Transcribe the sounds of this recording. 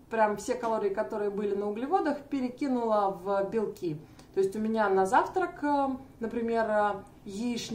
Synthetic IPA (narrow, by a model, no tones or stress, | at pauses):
pɾʲamfsʲe̞kɐlˠoɾʲɪjəkɐt̪o̞ɾɨjəbɨlʲɪnəʊɡlʲɪvo̞d̪əxpʲɪɾʲɪkʲinʊlˠəvəbʲɪlˠkʲi | t̪o̞ɪsʲtʲʊmʲɪnʲanɐzaft̪ɾəkənəpɾʲɪmʲe̞rə | jiʂnʲ